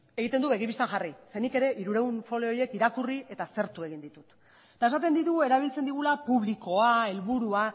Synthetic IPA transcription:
e̞ɣit̪e̞nd̪uβe̞ɣ̞ipist̪anʝarisenike̞ɾe̞ʔiɾuɾe̞unfo̞leo̞je̞kiɾakurie̞t̪ase̞ɾt̪ue̞ɣ̞ind̪it̪ut̪ | t̪ae̞sat̪e̞nd̪it̪uɣue̞ɾaβ̞ilt͡send̪iɣ̞ulapuβliko̞ae̞lβuɾua

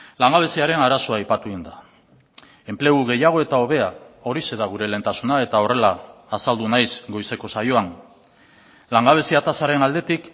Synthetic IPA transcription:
laŋɡaβe̞siaɾe̞naɾaso̞ajpat̪uind̪a | e̞mple̞ɣuɣ̞e̞jaɣ̞o̞e̞t̪ao̞β̞e̞ao̞ɾise̞ðaɣ̞uɾe̞le̞nt̪asunae̞t̪ao̞re̞laːsald̪unajsɡo̞jse̞ko̞sajo̞an | laŋɡaβ̞e̞siat̪asaɾe̞nald̪e̞t̪ik

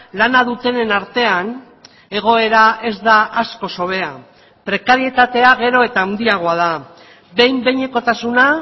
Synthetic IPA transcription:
lanaðut̪e̞ne̞naɾt̪e̞an | e̞ɣ̞o̞e̞ɾae̞zd̪aʔasko̞so̞β̞e̞a | pɾe̞kaɾie̞t̪at̪e̞aɣ̞e̞ɾo̞e̞t̪aːnd̪iaɣ̞o̞að̞a | be̞jmbe̞ɲe̞ko̞t̪asuna

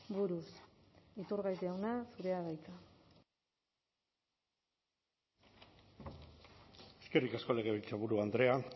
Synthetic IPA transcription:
buɾusit̪uɾɣajt̪awnasuɾe̞aɣajt͡s̪a | eske̞rikasko̞leɣeβilt͡saβuɾuand̪ɾe̞a

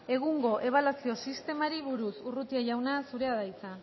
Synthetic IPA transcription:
e̞ɣuŋɡo̞ʔe̞β̞alasio̞sist̪e̞maɾiβuɾusurut̪iaʝawnasuɾe̞aðait͡sa

